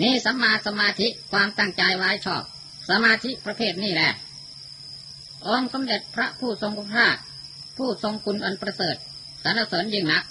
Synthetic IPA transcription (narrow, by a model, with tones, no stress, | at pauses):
niː˥˩sa˨˦mːaː˧t̪̚sa˧maː˧t̪ʰi˦˥ʔkʰwaː˧mt̪a˥˩ŋt͡ɕaː˧jwaː˦˥jt͡ɕʰɔː˥˩p̚ | sa˧maː˧t̪ʰi˦˥ʔpɾa˧pʰeː˥˩t̪̚niː˥˩lɛː˧˩ | ʔo˧ŋsa˨˦mle˨˩t̪̚pʰɾa˦˥pʰuː˥˩so˧ŋku˧npʰaː˥˩k | pʰuː˥˩so˧ŋkʰu˧nʔa˧npɾa˧sɤː˨˩t̪̚ | sa˨˦nʔa˧˩soː˩˦njɯː˧˩ŋna˦˥k̚